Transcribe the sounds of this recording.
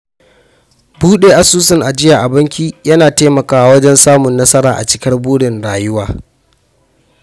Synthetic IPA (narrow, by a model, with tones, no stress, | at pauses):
buː˦ɗeː˨ʔa˨suː˦sɪ˨ŋʔa˨d͡ʒɪ˦ja˨ʔa˨bɐ˦ŋkʲiː˦jɐ˦naː˨teː˦mɐ˨kaː˦wa˦wɐ˦d͡ʒɛ˦nsaː˦mʊ˨nːɐ˦sɐ˦ɾaː˨ʔa̰˨t͡ʃɪ̥˦kɐ˦rbuː˦ɽɪ˨nɽaː˨jʊ˦waː˨